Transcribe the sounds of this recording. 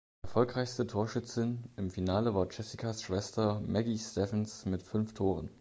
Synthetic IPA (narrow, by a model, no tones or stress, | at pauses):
ʔɛɐfɔlkʁaɪçstətʰoːɐʃʏt͡sɪnɪmfinaːləvaːɐt͡ʃɛsikʰasʃv̥ɛstɐmɛɡistɛfənsmɪtfʏnftʰoːʁ̞ən